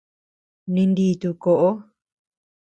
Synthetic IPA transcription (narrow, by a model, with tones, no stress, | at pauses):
nĩ˧nd̪i˧t̪u˧ko˧ʔo˦